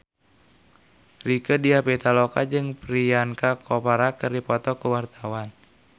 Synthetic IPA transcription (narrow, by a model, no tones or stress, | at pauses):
rikədiapet̪alɔkad͡ʒɨŋpɾiankakʰɔpaɾakɨrdipɔt̪ɔkuwart̪awan